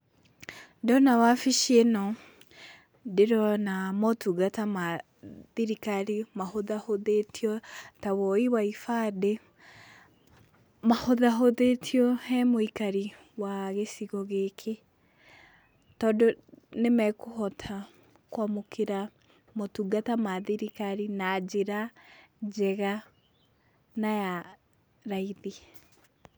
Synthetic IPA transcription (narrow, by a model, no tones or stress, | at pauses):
dɔnawafiʃienɔ | deɾɔnamɔtuɣatama | ðiɾikaɾimahoðahoðetiɔtawɔiwaifade | mahoðaɦoðetʰiɔhɛmoikaɾi | waɣesiɣɔɣekʰe | tɔːndɔnemɛkohɔtʰa | kwamokʰeɾa | motuɡatamaðiɾikaɾinad͡ʒeɾa | d͡ʒɛɣa | naja | ɾaiði